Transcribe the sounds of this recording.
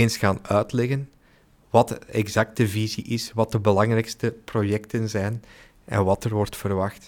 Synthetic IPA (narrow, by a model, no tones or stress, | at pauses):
ensxaːnœːtlɛɣən | ʋɑtɛɡzɑk̚tdəviziʔɪsʋɑt̚əbəlɑŋrɛjkstəprojɛktənzɛjn | ʔɛ̰nʋɑtərʋɔrtfərʋɑxt